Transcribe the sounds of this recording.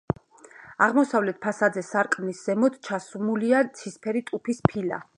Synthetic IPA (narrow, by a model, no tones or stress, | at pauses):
aʁmɔsavlɛt̪̚ʰpʰasad̪zɛsaɾkʼnisz̥ɛmɔd̪t͡ʃʰasumuliat̪sʰispʰɛɾit̪ʼupʰispʰila̰